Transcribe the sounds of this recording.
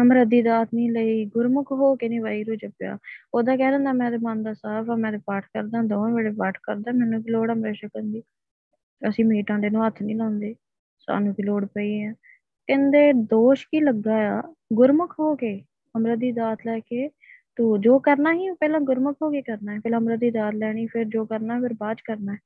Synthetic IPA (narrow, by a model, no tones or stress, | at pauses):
əmɾəd̪iːd̪aːt̪ʰnĩːləiːɡʊɾmʊkʰɦoːkeːnĩːʋaːiːɾuːt͡ʃəpja̰ːoːd̪aːkɛːlə̃ːnd̪aːmɛ̃ːd̪eːmãːnd̪aːsaːbʰãːmɛ̃ːd̪eːpaːʈʰkəɾd̪ãːd̪õːʋeːɽeːpaːʈʰkəɾd̪aːmɛ̃ːnũːk̬ɪloːɽəmbeːʃakənd̪iː | əsĩːmiːʈãːɳɖeːnũːət̪ʰːnĩːlɔ̃ːnd̪eː | sa̰ːnũːkiloːɽpəiːɛ̃ː | kɛ̃nd̪eːd̪oːʃkiːləɡːaːaːɡʊɾməkʰɦoːkeː | həmɾaːd̪iːd̪aːt̪lɛːkeː | t̪uːd͡ʒoːkəɾnaːɦiːpɛːlãːɡʊɾməkʰɦoːkeːkəɾnaːɛpɛːlɦəmɾad̪iːd̪aːt̪lɛːɽ̃iːpʰɪɾd͡ʒoːkəɾnaːɛːpʰɪɾbaːd͡ʒkəɾnaːɛː